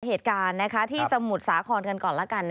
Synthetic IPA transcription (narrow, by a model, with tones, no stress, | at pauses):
heː˨˩t̪̚kaː˧nːa˦˥kʰa˦˥t̪ʰiː˥˩t͡ɕa˧mu˨˩t̪̚saː˩˦kʰɔː˧nka˧nkɔː˨˩nla˦˥ka˧nː